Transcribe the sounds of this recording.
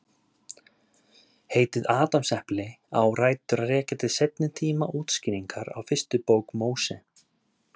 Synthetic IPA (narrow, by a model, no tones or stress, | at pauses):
heːjt̪ɪðaːt̪amsɛhplɪ | a̰wraːjt̪ʏɾarɛːcat̪ʰɪðsejt̪̚nɪt̪ʰiːmaʔuːt̪scɪːɾiŋkaɾa̰wfɪr̥st̪ʏpoːwkmoːwsɛ